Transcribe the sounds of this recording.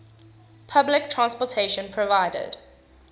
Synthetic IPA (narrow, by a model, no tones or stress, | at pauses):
pʰablɪk̚tʰɹãnspɔtʰeɪʃə̃npʰɹɔvaɪdə̰d̥